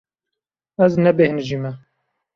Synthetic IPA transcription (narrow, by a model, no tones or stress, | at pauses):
ɛznɛbehɨnʒimɛ